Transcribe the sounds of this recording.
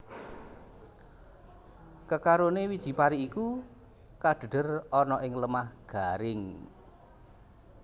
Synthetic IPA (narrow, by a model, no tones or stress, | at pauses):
kəkaɾonewid̥ʒ̥i̤paɾiːku | kaɖ̥ə̤ɖ̥ərɔnɔʔɪŋləmahɡ̥aɾɪŋ